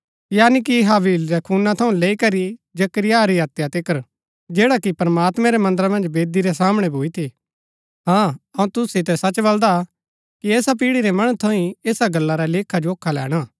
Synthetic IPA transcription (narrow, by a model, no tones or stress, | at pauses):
jaːnik̬iɦaːʋiːlɾɛkʰuːnːat̪ʰɐũleːikɐɾid͡ʒɐkɾɪjaɾiaːt̪jat̪ɪkəɾ | d͡ʒeːɽakipɾɐmaːt̪mɛ̃ɾɛmɐ̃nd̪əɾamɐ̃nd͡ʒbeːd̪iɾɛs̬aːməɽ̃ebʱoːit̪ʰi | ɦãːɐũt̪ʊsit̪ɛsɐt͡ʃbɐld̪a | kiɛːsap̬iːɽiɾɛmɐɽ̃ũt̪ʰɐĩeːsaɡɐlːaɾaleːkʰad͡ʒooːkʰːalɛ̰ːɽ̃aː